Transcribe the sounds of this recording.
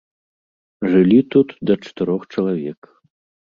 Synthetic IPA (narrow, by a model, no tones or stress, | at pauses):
ʐɨlʲit̪ut̪d̪ɐt͡ʂɐ̥t̪ɨɾɔxt͡ʂɐlˠavʲɛk